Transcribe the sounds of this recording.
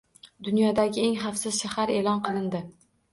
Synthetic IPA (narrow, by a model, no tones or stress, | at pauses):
d̪ʊnjɒd̪aɡʲɪe̞ŋχafsɪz̥ʃahaɾe̞lɒnqɨlˠɪnd̪ɪ